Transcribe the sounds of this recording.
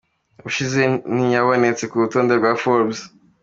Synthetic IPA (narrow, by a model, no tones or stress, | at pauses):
βuʃizenijaβonet͡sekuɾutoːndeɾbɡwafoɾbz